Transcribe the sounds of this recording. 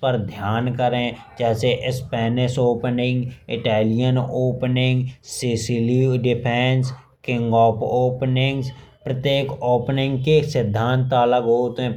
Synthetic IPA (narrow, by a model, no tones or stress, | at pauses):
pəɾd̪ʱjaːnkəɾẽ | d͡ʒɛːseʔɪspɛːnɪʃoːpnɪ̃ŋɡɪʈɛːlɪjənoːpnɪ̃ŋɡsɪsɪliɖɪpʰɛːns | kɪ̃ŋɡɔːpʰoːpnɪ̃ŋɡspɾət̪jeːkoːpnɪ̃ŋɡkesɪd̪ʱːãːnt̪aləɡɦoːt̪ɦɛ̃